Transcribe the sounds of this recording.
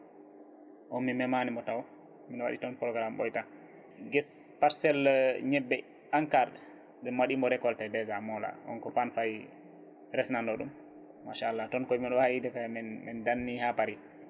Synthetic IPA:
ʔɔːimɛmanimɔtaw | minɔwa̰ɗḭtɔnpɾɔɡɾamɓɔ̰jta | ɡɛs | paɾsɛlɲɛbːɛ | aŋkaɾɗɛ | ɓɛmwaɗimɔɾɛkɔltadɛzamɔla̰ʔɔ̰nkɔfanfaj | ɾɛsnandɔɗṵmː | aʃaːlːatɔnkɔjmiɗɔwajidɛkamɛmɛndanːihapaɾi

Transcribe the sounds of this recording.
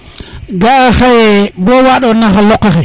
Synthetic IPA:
ɡaaxejebowaɗonaxalokːaxe

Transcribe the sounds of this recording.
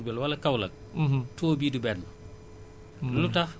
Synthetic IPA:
bɛlwɐlɐkɐwlɐk̩̚ːɦtɔːbiːdubɛnl | lutɐx

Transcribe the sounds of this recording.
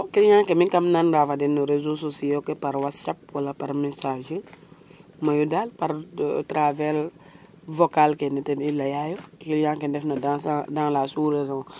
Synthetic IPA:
kiljãːŋkɛmikamnanɾafadɛnːuɾezososiokɛpaɾwatsap̚walapaɾmɛsaʒe | majudalpaɾtɾavɛl | vokalkɛnɛtɛnilɐjajokiljãːŋkɛndɛfnadasadãŋlasuɾedoŋ

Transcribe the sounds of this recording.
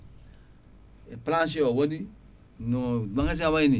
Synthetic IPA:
eplãsiɔwõdi | nɔ̃ãkãs̬iawaĩnĩ

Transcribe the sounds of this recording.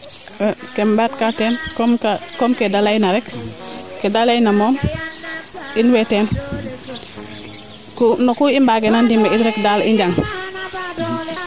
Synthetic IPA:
kembatkateːnkomkakomkedalainaɾɛkkedalainamoːm | inweten | kunokuimbaːɡenandimeitɾɛkdalḭɲɟaŋ

